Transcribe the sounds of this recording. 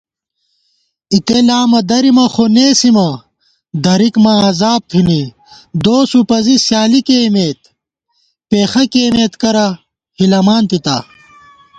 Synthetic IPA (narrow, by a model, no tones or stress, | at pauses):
it̪elaːmɐd̪ɐɾimɐxoneːsimɐ | d̪ɐɾikmɐɐzaːb̚t̪ʰini | d̪oːsupɐzisjaːlikeːmeːt̪ | peːxɐkeːmeːt̪kɐɾɐ | hilɐmaːnt̪it̪a̰ː